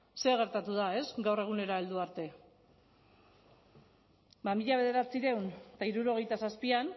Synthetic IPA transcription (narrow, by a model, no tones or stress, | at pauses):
se̞oɣ̞e̞ɾt̪at̪uðae̞sɡawre̞ɣ̞une̞ɾaeld̪uaɾt̪e̞ | mamiʎaβe̞ð̞e̞ɾat͡siɾe̞wnt̪aiɾuɾo̞ɣ̞e̞jt̪asaspian